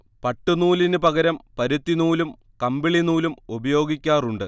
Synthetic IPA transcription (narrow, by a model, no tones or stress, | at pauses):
pɐʈːunuːlinɨpɐɡɐɾɐmpɐɾut̪ːinuːlum | kɐmbiɭinuːlumubɐjo̞ːɡikʲːaːruɳɖɨ